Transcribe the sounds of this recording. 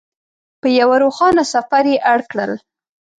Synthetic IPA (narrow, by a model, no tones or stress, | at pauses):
pəjawaɾoxɑnasafaɾjeʔaɽkɽə̰l